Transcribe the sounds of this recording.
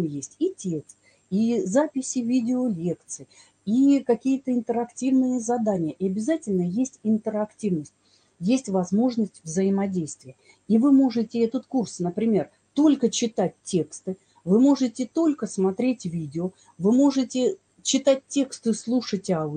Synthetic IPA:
mjesʲtʲitʲe̞kst̪̚ | izapʲɪsʲɪvʲidʲɪolʲe̞kt̪sɨj | ikɐkʲijət̪əɪnt̪əɾɐktʲivnɨjəzɐd̪anʲɪjəʔɪɐbʲɪzatʲɪlʲnəjesʲtʲɪnt̪əɾɐktʲivnəsʲtʲ | jesʲtʲvɐzmo̞ʐnəsʲtʲvzəɪmɐdʲejst̪vʲɪjə | ivɨmo̞ʐɨtʲɪɛt̪ət̪kursnəpɾʲɪmʲe̞r | t̪o̞lʲkət͡ɕɪt̪at̚ʲːe̞kst̪ɨ | vɨmo̞ʐɨtʲɪt̪o̞lʲkəsmɐt̪ɾʲetʲvʲidʲɪo | vɨmo̞ʐɨtʲɪ | t͡ɕɪt̪at̚ʲtʲːe̞kst̪ɨslˠuʂətʲa

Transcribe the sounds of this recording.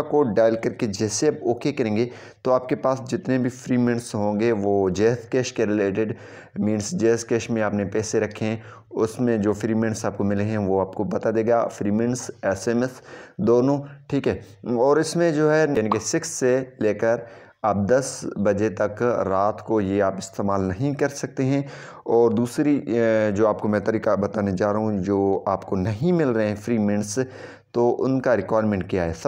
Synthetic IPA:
koɖaːɪlkɐɾked͡ʒɛːseapoːkʰekɐɾẽːŋɡe | t̪oaːpkepaːsd͡ʒɪt̪nebʱifɾiːmɛ̃ɳsɦõːɡeʋoːd͡ʒɛːskeːʃkeɾɪleːʈɪɖ | mĩːnsd͡ʒɛːskeːʃmẽaːpnepɛːseɾɐkʰːeɦɛ̃ | ʊsmẽd͡ʒoːfɾiːmɛ̃ːɳsaːp̚komɪleɦɛ̃ʋoaːp̚kopɐt̪ad̪eːɡafɾiːmɛ̃ɳsɛːsemɛsd̪oːnõʈʰiːkɦɛː | ɔːɾɪsmẽd͡ʒoːɦɛaːnĩkesɪksːeleːkəɾ | ɐb̚d̪ɐsbɐd͡ʒet̪ɐkɾaːt̪kojeaːpɪst̪eːmaːlnɐɦĩkɐɾsɐk̚t̪eɦɛ̃ | ɔːɾd̪uːsɾid͡ʒoːaːp̚komɛ̃t̪əɾiːkabɐt̪aːned͡ʒaːɾaɦũd͡ʒoːaːpkonɐɦĩmɪlɾɐɦeɦɛ̃fɾiːmɛ̃ɳs | t̪oʔʊ̰nkaɾɪkwaːɾmɛ̃ɳʈ̚kijaɦɛːs

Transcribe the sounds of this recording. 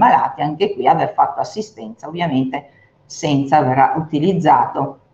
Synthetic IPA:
mala̰ːt̪iaŋkekwiaverfat̪ːoasːist̪ɛnt̪saovjament̪e | sɛnt̪savera̰ʔut̪ilid̪zːaːt̪o

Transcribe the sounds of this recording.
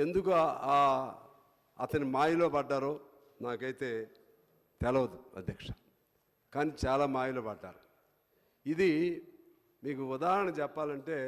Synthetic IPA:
e̞nd̪ukuaː | ɐ̰t̪ɐnimaːjilo̞ːpɐɖːaːɾoː | naːkɐjt̪e̞ː | t̪ɛlɐʋɐd̪uɐ̰d̪ʱjɐkʂɐ̥ | kaːniːt͡ʃaːlaːmaːjiloːpɐɖːa̰ːɾu | id̪i | miːkuud̪aːɦɐɾɐɳɐt͡ʃɛpːaːlɐɳʈe̞ː

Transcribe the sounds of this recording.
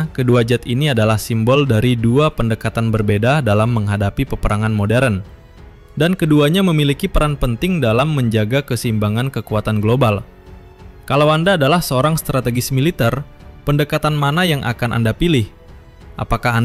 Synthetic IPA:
kəduad͡ʒat̪iniadalahsimbɔldaɾiduapəndəkat̪anbərbedadalamːəŋɦadapipəpəɾaŋanmodɛɾən | dankəduaɲaməmilikipəɾanpənt̪ɪŋdalamːəɲd͡ʒaɡakəsimbaŋankəkuat̪anɡlobal | kalawandaːdalahsəoɾaŋst̪ɾat̪eɡɪsmilit̪ɛr | pəndəkat̪anmanajaŋʔa̰kanʔa̰ndapilɪh | ʔapakaa

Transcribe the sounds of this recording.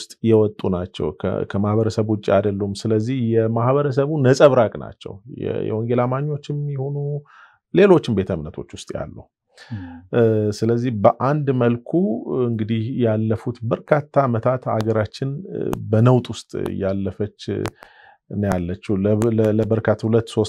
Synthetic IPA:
st̪ʼjɛwɔt̪ʼunat͡ʃːɛ̰wkʰkʰəmahβəɾəsəβut͡ʃʼːiad̪əlːumsɨləzːihjɛmahβəɾəs̬əβunəsʼəβɾakʼna̰t͡ʃːɛ̰wjɛ̰jɛ̰wɔŋɡe̞lamaɲːo̞t͡ʃːɪmjɛho̞nu | le̞lo̞t͡ʃːɪmbe̞t̪ʰəmnət̪ʰo̞t͡ʃːwʊst̪ʼja̰lːu | sɨləzːihbəʔand̪məlkʰuɨŋɡɨd̪ihjalːəfut̪bəɾkʰat̪ʰːaːmət̪ʰat̪a̰ɡəɾat͡ʃːɪnbənəwt̪ʼwʊst̪ʼjalːəfət͡ʃː | nɨjalːət͡ʃːuləbəɾkʰat̪ʰːhulət̪ːso̞s

